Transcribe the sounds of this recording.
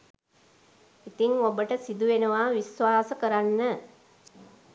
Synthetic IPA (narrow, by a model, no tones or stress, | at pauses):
it̪iŋobəʈəsid̪uʋenəʋaʋisʋaːsəkəɾanːə